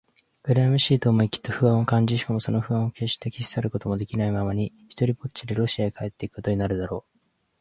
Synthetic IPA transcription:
ɡ̥ɯ̟ɾamɯ̟ɕiːt̪o̞ːmoikʲi̥t̪ːo̞ɸɯ̟βãɰ̃o̞kãɲ̟d͡ʑiɕi̥kamo̞so̞no̞ɸɯ̟βãɰ̃oke̞ːɕi̥t̪e̞kʲiɕi̥saɾɯ̟ko̞t̪o̞mo̞d̪e̞kʲinaimamaɲ̟i | çi̥t̪o̞ɾʲipo̥t͡ɕiɾeɾo̞ɕiaekʰae̞t̪ːe̞ikɯ̥ko̞t̪oɲinaɾɯ̟d̪aɾo̞ː

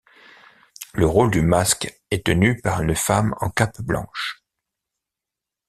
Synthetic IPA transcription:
ləʁold̪ymask | ɛt̪ənypaʁynfamɑ̰̃kapblɑ̰̃ʃ

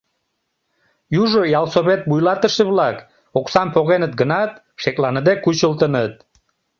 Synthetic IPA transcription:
juʒojɑlˠsoβet̪̚bujlɑt̪əʃeβlɑk | oksɑmpoɣenət̪̚ɡənɑt̪̚ | ʃeklɑnəd̪ekut͡ɕəlt̪ənət̪̚

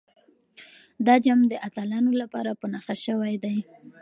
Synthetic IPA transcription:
d̪ɑd͡ʒamd̪əʔat̪alɑnolapɑ̰ɾapənaxaʃəwajd̪aj

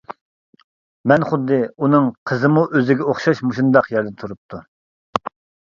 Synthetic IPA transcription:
mɛnχʊd̪ːɨunɨŋqʰəzɨmuʔøzɪɡʲɛoχʃɑʃmuʃund̪ɑqjɛɾd̪ɛt̪ʰuɾup̚t̪ʰu

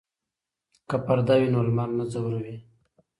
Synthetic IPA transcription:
kapaɾd̪awinolmɑnːazawuɾawi

